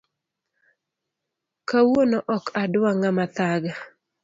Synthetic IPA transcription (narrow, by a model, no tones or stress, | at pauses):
kawonɔʔɔkadwaŋamat̪aɡa